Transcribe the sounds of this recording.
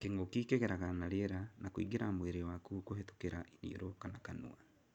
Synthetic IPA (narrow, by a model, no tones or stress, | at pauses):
keŋɡokikeɣeɾaɣanaɾjeɾanakwḭːɡiɾamweɾewakuːkoɦeto̥keɾaʔinḭɾokanakanṵa